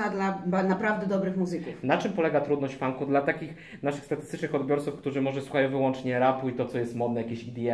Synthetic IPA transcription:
ad̪labanapɾavd̪ɛd̪ɔbɾɘxmuzɘkufnat͡ʂɘmpɔlɛɡat̪ɾud̪nɔɕt͡ɕfaŋkud̪lat̪akʲix | naʂɘxst̪at̪ɘst̪ɘt͡ʂnɘxɔd̪bʲjɔɾt̪sufkt̪uʐɘmɔʐɛswuxajɔ̃w̃vɘwɔnt͡ʂɲɛɾapuit̪ɔt̪sɔjɛst̪mɔd̪nɛjakʲeɕid̪ʲiɛ

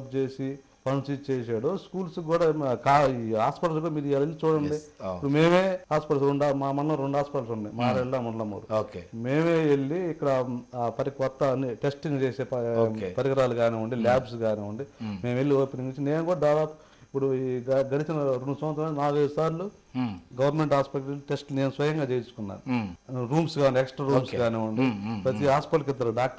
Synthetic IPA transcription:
pt͡ʃeːsi | pʰɐnsitt͡ʃeːs̬aːɽoːskuːlsɡuːɽaːkaːiɦaːspɐʈɐlsɡuːɽɐmiːɾid͡ʒaːlɐlit͡ʃuːɽɐɳɖiipːuɽumeːme̞ːɦaːspɐʈɐlsɾeɳɖmaːmɐnlɐmɾeɳɖɦaːspɐʈɐlsuɳɖimaːɾɐllaːmɐɳɐlɐmo̰ːɾuoːkemeːmeːeɭːiːkːɐɽɐpɐɾikɔt̪ːɐnːiʈesʈiŋɡt͡ʃeːseːpɐoepɐɾikɐɾaːluɡaːniːuɳɖilaːbsɡaːniːuɳɖimeːme̞lːioːpiniɡit͡ʃine̞ːnukuːɽɐd̪aːd̪aːpu̥ | ipːuɽuɐɡɐlit͡ʃinɐɾeɳɖusɐmʋɐt̪ɾɐonaːɡɐjd̪usaːɾlu | ɡɐʋɐɾnmeɳʈaːspɐkʈɐluʈesʈne̞ːnusʋɐjɐŋɡaːt͡ʃeːjt͡ʃu̥kunːa̰ːnuɾuːmsɡaːuɳɖiɛksʈɾaːɾuːmsɡaːneːuɳɖipɾɐt̪iɦaːspɐʈlɐk̬id̪ːɐɾuɖaːk

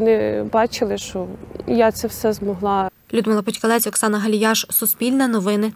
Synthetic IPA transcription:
nɪbɑt͡ʃɪlˠɪʃt͡ʃɔjat̪sɛwsɛzmɔɦlˠɑ | lʲud̪mɪlˠɐpɔtʲkɐlˠɛt͡sʲɔksɑnɐɦɐlʲjɑʃsʊspʲilʲnɐnɔʋɪnɐ

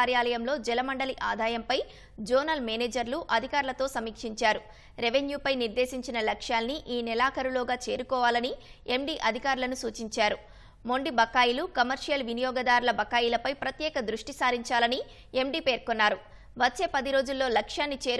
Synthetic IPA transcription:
aɾjaːlɐjɐmlo̞ːd͡ʒɛlɐmɐɳɖɐliʔa̰ːd̪ʱaːjɐmpɐj | d͡ʒoːnɐlmeːneːd͡ʒɐɾluʔɐd̪ʱikaːɾulɐt̪o̞ːsɐmiːkʂiɲt͡ʃaːɾu | ɾeʋenjuːpɐjniɾd̪e̞ːsiɲt͡ʃinɐlɐkʂjaːlniʔiːnilaːkɐɾuloːɡaːt͡ʃe̞ːɾukɔːʋaːlɐnie̞mɖiːʔɐd̪ʱikaːɾulɐnusuːt͡ʃiɲt͡ʃaːɾu | mo̞ɳɖibɐkːaːjilukɐmɐɾʂijɐlʋinijɔːɡɐd̪aːɾulɐbɐkːaːjilɐpɐjpɾɐt̪jɛːkɐd̪ɾuʂʈisaːɾiɲt͡ʃaːlɐni | e̞mɖiːpe̞ːɾkonːaːɾu | ʋɐt͡ʃːe̞ːpɐd̪iɾo̞ːd͡ʒulːo̞ːlɐkʂjaːnːit͡ʃe̞ːɾ

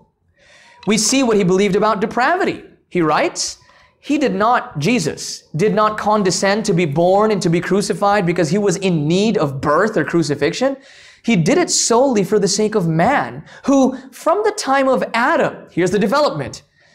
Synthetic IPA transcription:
wisiwʌt̚hibəlivdɨbaʊt̚d̥ɨpʰɹ̥ævɨɾḭ | hiɹaɪts | hidɨdⁿnət̚d̥ʒ̥izɨ̰sd̥ɨdⁿnət̚kʰɑ̃ndɨsɛ̃ntʰɨbibɔɹnɨ̃ntʰɨbikʰɹ̥ʉsɨfaɪd̚bɨkʌz̥iwʌzɪ̃nːiɾʌvbɜ˞θə˞kʰɹ̥ʉs̬ɨfɪkʃɨ̃n | idɨɾɨtsoʊlˠifə˞ðɨseɪkʌvmæ̃nhufɹʌ̃mðɨtʰãɪ̃mʌvæɾə̃mhiɹzðɨdɨvɛlˠəp̚mɨ̰̃nt

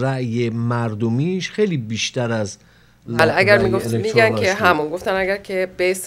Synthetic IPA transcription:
ɾæʔjemæɾd̪omiːʃxejliːbiːʃt̪æɾæz | alæɡæɾmiɡoft̪miɡænkʰeɦæmunɡo̞ft̪ænæɡæɾcʰeb̥es

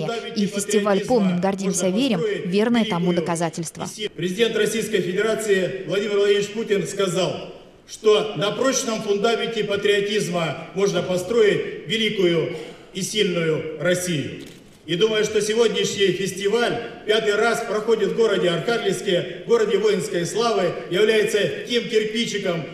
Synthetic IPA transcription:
ifʲɪsʲtʲɪvalʲpo̞mnʲɪmɡɐrdʲimsʲəvʲeɾʲɪmvʲe̞rnɨjət̪ɐmud̪əkɐzatʲɪlʲst̪və̰pɾʲɪzʲɪdʲe̞nt̪rɐsʲijskəjfʲɪdʲɪɾat̪sɨɪvlˠɐdʲimʲɪrvlˠɐdʲivʲɪt͡ɕputʲɪnskɐzalˠ | ʂt̪o̞nɐpɾo̞t͡ɕnəmfʊnd̪amʲɪnʲtʲɪpət̪ɾʲɪɐtʲizməmo̞ʐnəpɐst̪ɾo̞jɪtʲvʲɪlʲikʊjʊ | isʲilʲnʊjʊrɐsʲijʊ̰ | id̪uməjʊʂt̪o̞sʲɪvo̞dʲnʲɪɕnʲɪjfʲɪsʲtʲɪvalʲpʲat̪ɨjraspɾɐxo̞dʲɪt̪vɡo̞ɾədʲɪɐrxaɡʲlʲɪfskʲɪjəɡo̞ɾədʲɪvo̞jɪnskəjslˠavɨjɪvlʲæjɪt̪sətʲemkʲɪrpʲit͡ɕɪkəm

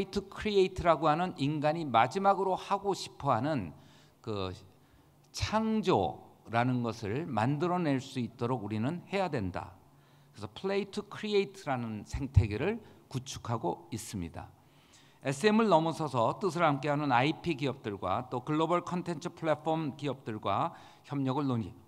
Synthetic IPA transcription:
itʰɯkʰɾieitʰɯɾaɡoɦanɯninɡaɲimad͡ʑimaɡɯɾohaɡoɕʰi̥pʰʌɦanɯn | kɯ | t͡ɕʰaŋd͡ʑo̰ɾanɯnɡʌsʰɯɭma̰ndɯɾʌne̞ɭs͈uit̚t͈oɾoɡuɾinɯnhe̞jadwe̞nda̰ | kɾesʰʌpʰɯɭeitʰɯkʰɾieitʰɯɾanɯnsʰe̞ŋtʰe̞ɡiɾɯɭkut͡ɕʰu̥kʰaɡois͈ɯmɲida̰ | e̞s͈ɯe̞mɯɭnʌmʌsʰʌsʰʌt͈ɯs̬ʰɯɭhamk͈e̞ɦanɯnaipʰiɡiʌp̚t͈ɯɭɡwa̰t͈okɯɭːobʌɭkʰʌntʰe̞nt͡ɕʰɯpʰuɭafʰʌmkiʌp̚t͈ɯɭɡwa | çjʌmɲʌɡɯɭnoɲi

